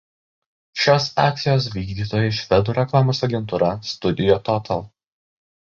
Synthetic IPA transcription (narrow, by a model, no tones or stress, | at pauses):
ʃʲoːsɑ̰ːk̚ʲt̪ʲɪjoːsʋʲiːɡd̪ʲiːt̪oːjɛʃʲʋʲɛd̪uːɾʲɛklˠɑːmoːsɐɡʲɛnt̪uːɾɐst̪ʊd̪ʲɪjoːt̪ɔt̪ʰɐlˠ